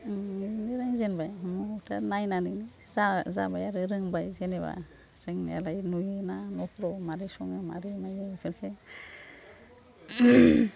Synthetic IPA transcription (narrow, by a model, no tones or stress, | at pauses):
niniɾaŋzenbajmutʰanajnanini | zaza̰bajaɾɯɾɯŋbajzeneβa̰ | sɯŋnḭa̰lajnujɯnanɔpʰɾɔmaɾisɔŋema̰ɾimajpʰeɾkʰe